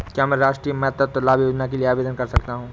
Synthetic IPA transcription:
kjaːmɛ̃ːɾaːʃʈɾiːemɐjət̪ət̪ːolaːbʱjoːd͡ʒnakelieaːʋeːd̪ənkɐɾsɐkt̪aɦũː

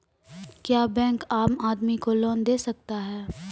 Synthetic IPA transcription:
kjaːbɛ̃ːŋkaːmaːd̪mikolɔːnd̪eːsɐk̚t̪aɦɛː

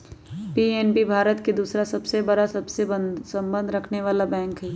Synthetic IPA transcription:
pieːnbibʱaːɾət̪ked̪uːsɾasɐbsebɐɾasɐbsebənsɐ̃mbə̃nd̪ʱɾɐkʰneʋaːlabɛ̃ːŋkɦɛː

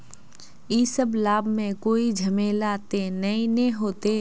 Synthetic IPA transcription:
iːsəblaːbmẽkoːid͡ʒʱɐmeːlat̪enɐĩnẽɦoːt̪eː

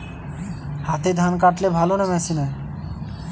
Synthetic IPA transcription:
hat̪ed̪ʱankaʈlebʱalonɛmɛsina

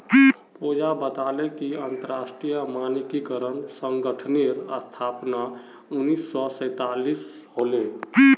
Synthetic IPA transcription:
pud͡ʒabət̪aːlekiə̃nt̪əɾaːsʈɾijəmaːnikikəɾənsə̃ŋɡəʈʰneɾəst̪ʰaːpna | ʊnːiːsːɔsə̃ɪt̪aːlis | ɦoːlẽ

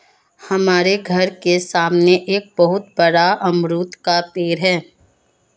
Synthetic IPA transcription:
hɐmaːɾeɡʱɐɾkesaːmneʔeːk̚bɐɦʊt̪bɐɽaʔɐmɾut̪kapeːɾɦɛː

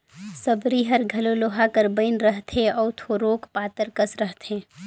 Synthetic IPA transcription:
səbɾiɦɐɾɡʱɐloloːɦakəɾbəɪnɾəɦt̪ʰẽɔːɾt̪ʰoːɾoːkpaːt̪əɾkəsɾəɦt̪ʰẽː

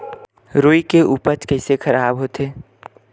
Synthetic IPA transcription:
ɾoːikeuːpət͡ʃkəɪsexʰɐɾaːbɦot̪eː

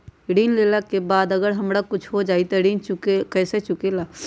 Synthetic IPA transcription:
ɽiːnleːlakebaːd̪ɐɡəɾɦɐmɽakʊt͡ʃʰɦod͡ʒaːit̪aɽiːnt͡ʃʊkekɛːset͡ʃʊkelaː

